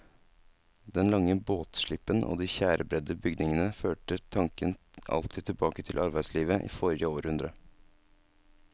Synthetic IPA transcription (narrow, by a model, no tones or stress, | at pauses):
d̪ɛnlɑŋəboːt̪ʃɭɪpːənʔo̰ːd̪iːçæːɾʔəbɾɛd̪əbʏɡd̪nɪŋənəføːʈət̪ʰɑŋkən | ʔɑ̰lt̪ʰiːt̪ʰɪlbɑːkət̪ʰɪlʔɑɾbæɪsliːʋəʔḭːfoːɾɪəoːɾəʉnd̪ɾə